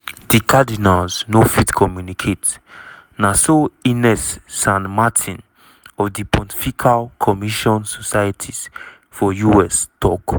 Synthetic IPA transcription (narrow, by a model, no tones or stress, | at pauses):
dikʰadinalznofitkʰɔmjunikʰet | nasoinɛsːãnmatʰĩn | ɔfdipʰɔ̃ntʰifikʰalkʰɔmiʃɔ̃nsɔsajatʰiz̥ | fɔjuɛstɔk